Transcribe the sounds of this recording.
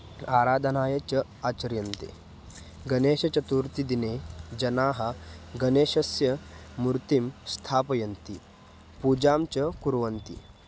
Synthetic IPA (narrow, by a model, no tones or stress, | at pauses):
aːɾaːd̪ʱɐnaːjɐt͡ɕɐ | at͡ɕɐɾjɐnt̪ḛ | ɡɐneːɕɐt͡ɕɐt̪uɾt̪id̪ined͡ʑɐnaːɦɐɡɐneːɕɐsjɐːuɾt̪imst̪ʰaːpɐjɐnt̪i | pud͡ʑaːmt͡ɕɐkuɾʋɐnt̪ḭ